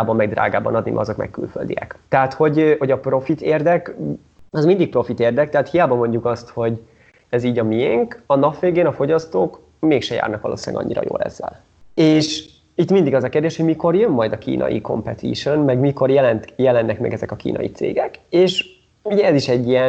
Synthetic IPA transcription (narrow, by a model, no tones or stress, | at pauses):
aːbɒmːɛɡ̚d̪ra̰ːɡaːbɒ̰nɒd̪nimɛ̰ɒzo̞kmɛ̰kːylfø̰ld̪ijɛ̰kt̪ɛɦaːt̪ho̞ɟho̞ɟɒpro̞fit̪eːrd̪ɛk | ɒzmind̪ik̚pro̞fit̪eːrd̪ɛk̚t̪ɛɦaːt̪hijaːbɒmo̞ɲɟukɒst̪ho̞ɟ | ɛziːɟɒmijɛŋkɒnɒpʋeːɡeːnɒfo̞ɟɒst̪oːk | meːkʃɛja̰ːrnɒkʋɒlo̰ːsilɛ̰ɡɒ̰ɲːiɾɒ̰jo̰ːlɛ̰zːɛ̰l | eːʃ | it̪mind̪iɡɒzɒkeːrd̪eːʃho̞ɟmiko̞rjø̞mːɒjd̪ɒkḭːnʔɒ̰jḭko̞̰mpɛt̪ʰḭʃonmɛɡmiko̞rjɛlɛnt̪jɛlɛnːɛkmɛ̰ɡɛzɛkɒkḭːnɒ̰jḭt̪sḛːɡɛkeːʃ | uɟɛɛziʃɛɟːijɛ